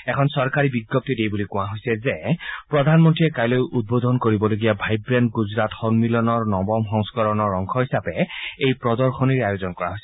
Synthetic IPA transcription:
ɛkʰɔnsɔɹkaɹibiɡjɔp̚tidejbulikʊ̃aɦojsɛzɛpɹɔdʱanmɔntɹiɛkajlojʔud̚bod̪ʱɔnkoɹibɔloɡijabʱajbɹɛndɡuzɹatxɔnmilɔnɔɹnɔbɔmxɔŋskɔɹɔnɔɹɔŋkʰɔɹhisapɛejpɹɔdɔɹxʰɔniɹajozɔnkɔɹa̰ɦojsɛ

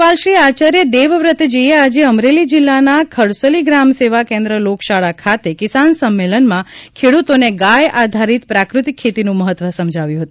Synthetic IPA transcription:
palʃiat͡ʃaɾjəd̪eʋəʋɾət̪d͡ʒəjead͡ʒeəmɾelid͡ʒilːanakʰəɽsəliɡɾamseʋakẽnd̪ɾəlokʃaɭakʰat̪ekɪsansəmːelənmãkʰeɽut̪oneɡajad̪ʱaɾit̪pɾakɾut̪ikʰːet̪inũməɦət̪ːʋəsəmd͡ʒʱaʋjũɦət̪ũ

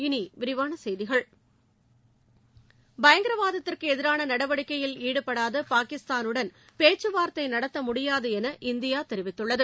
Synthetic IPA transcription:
ɪniʋɪɾɪʋaːnɐsɛjðɪɣɐɭ | bɐjɐŋɡɪɾɐʋaːðɐt̪ːɪrkɯɛðɪɾaːnɐnɐɽɐʋɐɽɪkːɐjɪliːɽɯpːɐɽaːðɐpaːkɪst̪aːnɯɽɐn | peːt͡ʃːɯʋaːɾt̪ːɐɪnɐɽɐt̪ːɐmʊɽɪjaːðɐɛnɐʔɪnd̪ɪjaːt̪ɛɾɪʋɪt̪ːɯɭːɐðɯ

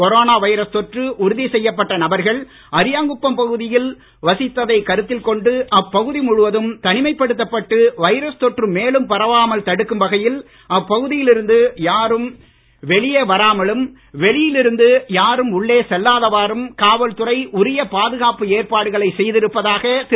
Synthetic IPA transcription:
kɔɾoːnaːʋɐɪɾɐst̪ɔʈrɯʔʊɾʊðisɛjːɐpːɐʈːɐnɐbɐɾɣɐɭ | ʔɐɾɪjaːŋɡɯpːɐmpɐɣɯðɪjɪl | ʋɐsɪt̪ːɐðɐɪkɐɾɯt̪ːɪlkɔɳɖɯʔɐpːɐɣɯðimʊɻɯʋɐðɯmt̪ɐnɪmɐɪpːɐɽɯt̪ːɐpːɐʈːɯʋɐɪɾɐst̪ɔʈrɯmeːlɯmpɐɾɐʋaːmɐlt̪ɐɽɯkːɯmbɐɣɐjɪl | ɐpːɐɣɯðɪjɪlɪɾɯnd̪ɯjaːɾɯm | ʋɛɭɪjeːʋɐɾaːmɐɭɯm | ʋɛɭɪjɪlɪɾɯnd̪ɯjaːɾɯmʊɭːeːsɛlːaːðɐʋaːɾɯmkaːʋɐlt̪ɯrɐɪʔʊɾɪjɐpaːðɯɣaːpɯeːɾpaːɽɯɣɐɭɐɪsɛjðɪɾɯpːɐðaːɣɐt̪

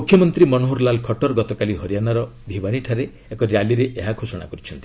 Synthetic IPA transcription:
mukʰːjɔmɔnt̪ɾimɔnoɦoɾlalkʰɔʈɔɾɡɔt̪ɔkaliɦɔɾijanaɾɔbʱibaɽ̃iʈʰaɾe | ekɔɾjaliɾeʔeɦakʰosɔɽ̃a̰kɔɾit͡ʃʰɔnt̪i̥

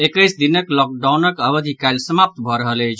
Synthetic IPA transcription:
ekəjsd̪inəklɔk̚ɖawnəkəbəd̪ʱikajlsəmap̚t̪bʱɔɾəɦəled͡ʒ

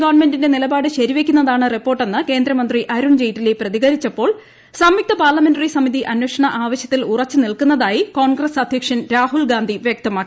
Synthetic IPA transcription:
ɡaʋɐɳme̞ndinde̞nilɐbaːɽɨɕɐɾiʋekʲːunːɐðaːɳɨripːo̞ːrʈːe̞nːɨke̞ːnd̪ɾɐmɐnd̪riʔɐɾuɳd͡ʑejʈːileprɐðiɣɐɾit͡ɕːɐpːo̞ːɭ | sɐmjik̚t̪ɐpaːrlɐme̞nɖɐrisɐmiðiʔɐnweːʂɐɳɐʔaːʋɐɕjɐt̪ːilurɐt͡ɕːɨnilkunːɐðaːjiko̞ːɳɡrɐsɐd̪ʱjɐkʂɐnɾaːɦulɡaːnd̪ʱiʋjɐk̚t̪ɐmaːkːi

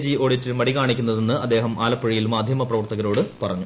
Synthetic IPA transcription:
d͡ʑio̞ːɽitːilmɐɽikaːɳikʲːunːɐðe̞nːɨɐd̪ːe̞ːɦɐmʔaːlɐpːɐɻijilmaːd̪ʱjɐmɐprɐʋɐrt̪ɐɣɐɾo̞ːɽɨpɐrɐɲːu

